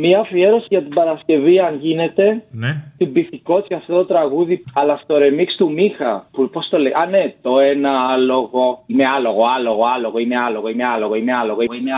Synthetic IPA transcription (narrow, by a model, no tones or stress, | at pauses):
miɐfie̞ɾo̞sʝɐt̪ibɐɾɐsce̞viɐnʝine̞t̪e̞st̪ibiθiko̞t͡siɐft̪o̞t̪ot̪ɾɐɣuðiɐlɐst̪o̞ɾemikst̪umixɐpupost̪oleʔɐnet̪o̞enɐalo̞ɣo̞ime̞ɐloɣoɐlo̞ɣoɐloɣoimealo̞ɣoimealo̞ɣoimealo̞ɣoii